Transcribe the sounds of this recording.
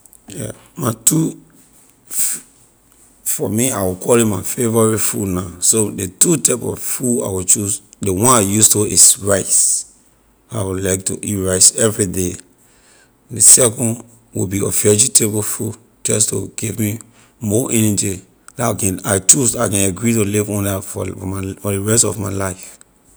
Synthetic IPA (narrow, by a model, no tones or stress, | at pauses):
jɛ̰maɪtu | fɔmiaɪwikʰɔlĩmaɪfevɔɹifunasodetutaɪpɔ̰vfua̰wit͡ʃusdewɔ̃najustoisɹaɪs | aɪwilaɪk̚tṵʔiɹaɪsɛvɹide | desɛkɔ̃nd | wḭbiɔ̰fɛd͡ʒitʰebofud | d͡ʒɔstuɡ̥ivmi | mɔʔɛ̃nid͡ʒi | laakɛ̃naɪt͡ʃusaɪkɛ̃naɡɹit̬ulivɔ̃ndafɔɔmfɔdeɹɛstɔvmaɪlaɪf